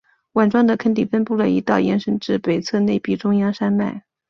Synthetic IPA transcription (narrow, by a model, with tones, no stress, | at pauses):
wa˨˩nʈ͡ʂwɑ˥ŋd̪ə˨kʰə˥nt̪i˥˩fə˥npu˥˩lə˩ḭ˧˥t̪ɑ˥˩ʊjɛ̰˥nʂə˥nʈ͡ʂɻ̩˥˩pe˨˩ɪt͡sʰɤ˥˧ne˥˧ɪpi˥˩ʈ͡ʂʊ˥ŋjɑ˥ŋʂa˥nma̰˥˩ɪ